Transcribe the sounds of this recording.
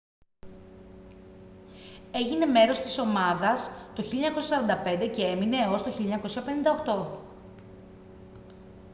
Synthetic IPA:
e̞ʝine̞me̞ɾo̞st̪i̥so̞mɐðɐst̪o̞çileɲɐko̞sjɐsɐɾɐnd̪ɐpe̞nd̪e̞ce̞e̞mine̞o̞st̪oçiliɲɐko̞siçɐpenind̪ɐoxt̪o̞

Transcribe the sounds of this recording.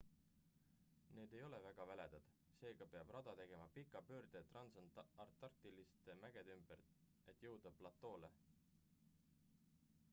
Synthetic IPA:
ne̞ːd̪e̞jo̞le̞væɡ̥ɑvæle̞d̪̥ɑd̪̥ | se̞ːɡ̥ɑpe̞ɑb̥rɑd̪̥ɑt̪e̞ɡ̥e̞mɑpikːˑɑpø̞ːrd̪et̪rɑnsɑnɑrt̪ːɑrt̪ilist̪emæɡ̥ed̪ymb̥er | e̞t̪ːˑjɤwd̪̥ɑpːlɑt̪ːˑo̞ːle

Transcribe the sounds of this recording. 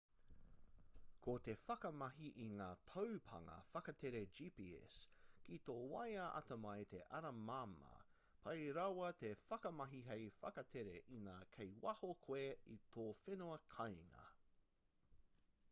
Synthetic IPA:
kʰot̪e̞fɐkɐmɐɦiʔiŋaːt̪ʰowpʰɐ̰ŋɐ̰fɐkɐt̪ʰeɾed͡ʒiːpiɛ̰skit̪oːwɐjɐʔɐ̰t̪ɐmɐjt̪ʰeʔɐɾɐmamɐ̰ | pʰɐjɾɐwɐt̪efɐkɐmɐɦiɦejfɐkɐt̪ʰeɾeʔinaːkʰejwɐhokʰweit̪ʰoːfenoɐkʰɐjŋɐ̰

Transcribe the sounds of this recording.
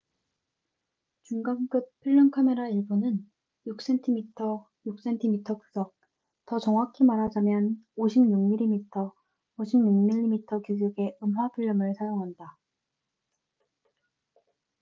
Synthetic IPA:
t͡ɕuŋɡaŋk͈ɯt̚pʰuɭːʌnkʰame̞ɾaiɭbonɯn | juk̚s͈e̞ntʰimitʰʌ | juk̚s͈e̞ntʰimitʰʌkusʰʌk̚ | tʌt͡ɕʌŋakʰimaɾɦad͡ʑamjʌnoɕʰimɲjuŋmiɾimitʰʌ | oɕʰimɲuŋmiʎːimitʰʌkjuɡuɡe̞ɯmɦwapʰuɭːʌmɯɭsʰajoŋɦanda

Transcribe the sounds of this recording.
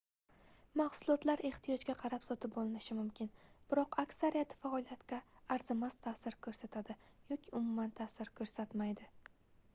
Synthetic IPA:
maχsʊlˠɒt̪laɾe̞ht̪ʰijɒd͡ʒɡʲaqʰɑɾapsɒt̪ʰɪp̚bɒlˠɪnɪʃɪmʊmkʲʰɪnb̥ɪɾɒqakʲsaɾijat̪ʰɪ̥faɒlˠijat̪kʲaːɾzɪmast̪ʰasɪɾkʰɵɾsat̪ʰad̪ɪjɒkʲʰɪʊmʊmant̪ʰasɪɾkʰɵɾsat̪majd̪ɪ

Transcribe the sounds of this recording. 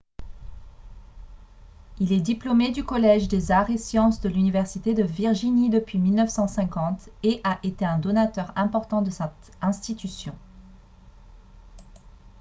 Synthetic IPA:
ilɛd̪iplɔmed̪ykɔlɛʒd̪ezaʁesjɑ̃sd̪əlynivɛʁsit̪ed̪əviʁʒinid̪əpɥimilnəfsɑ̃sɛ̃kɑ̃t̪eʔaʔet̪eɛ̃d̪ɔnat̪œʁɛ̃pɔʁt̪ɑ̃d̪əsɛt̪ | ɛ̃st̪it̪ysjɔ̰̃

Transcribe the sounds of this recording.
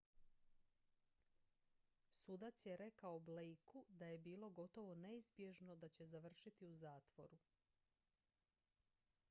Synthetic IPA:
suːd̪at̪sjeɾe̞kaoblejkud̪aje̞biːlˠo̞ɡo̞t̪o̞ʋo̞ne̞izbje̞ʒno̞d̪at͡ɕe̞zaʋr̩ʃit̪iuzaːt̪ʋo̞̰ɾu

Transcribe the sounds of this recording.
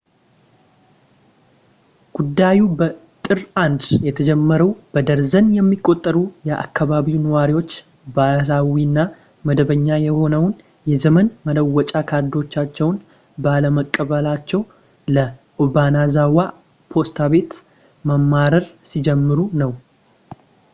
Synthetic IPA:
ɡ̥ud̪ːajubət̪ʼɨɾand̪jɛt̪ʰəd͡ʒɛmːəɾəwb̥əd̪əɾzənjɛmːikʼːo̞t̪ʼːəɾujɛʔa̰kːaβaβiwnəwaɾiwo̞t͡ʃː | balawinːa | məd̪əβəɲːajɛho̞nəwn | jɛzəmənmələwːɔt͡ʃʼakʰaɾd̪o̞t͡ʃːat͡ʃːɛwn | baləməkʼːəβəlat͡ʃːɛw | ləʔobanazawa | pʰo̞st̪ʰaβe̞t̪ | məmːaɾəɾsid͡ʒɛmːɨɾunəw

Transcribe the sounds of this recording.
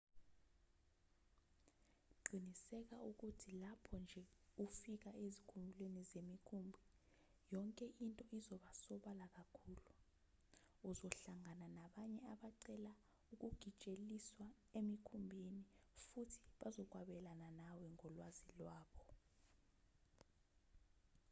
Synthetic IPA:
ǃinisɛk̬auk̬utʰilapʰɔnd͡ʒʱɛufik̬aezikʰumʱilwenizemikʰumbʱi | jɔŋkʼɛʔintʼɔʔizɔɓasɔɓalak̬akʰuːlu | uzɔɬaŋananaɓaɲɛaɓaǀɛla | uk̬uɡ̥ʱit͡ʃʼeliswa | emikʰumbʱinifutʰi̥ɓazɔk̬waɓɛlananawɛŋɔlwazilwaːɓɔ

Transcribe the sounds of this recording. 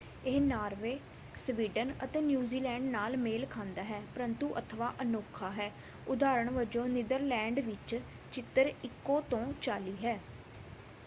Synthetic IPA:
eɦnaːɾʋeː | sʋiːɖənə̰t̪eːnjuːziːlɛ̃ːɳɖnaːlmeːlkʰãːnd̪aːɦɛːpəɾənt̪uʔət̪ʰəʋaːʔənoːkʰaːɦɛː | ʊd̪aːɾəɳ̃ʋəd͡ʒõːnɪd̪əɾlɛ̃ːɳɖʋɪt͡ʃ | t͡ʃɪt̪ːəɾɪkːõːt̪õːt͡ʃaːliːɦɛː

